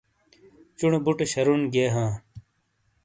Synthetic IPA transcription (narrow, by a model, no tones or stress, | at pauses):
t͡ɕuɳbuʈɕɐɾunɡeːɦãː